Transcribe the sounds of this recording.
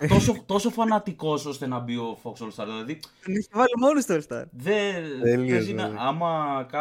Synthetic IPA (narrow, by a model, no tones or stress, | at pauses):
t̪osot̪o̞so̞fɐnɐt̪iko̞so̞st̪e̞nɐbio̞foksolst̪ɐɾðilɐðit̪oneçivɐlimo̞nist̪oelst̪ɐ̰ɾðeelieinɐɐmɐkɐ